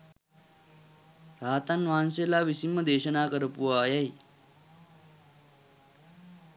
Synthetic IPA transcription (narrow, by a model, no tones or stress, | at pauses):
ɾaːt̪anʋaːnselaːʋisimːəd̪eːɕənaːkəɾəpuʋaːjaɦi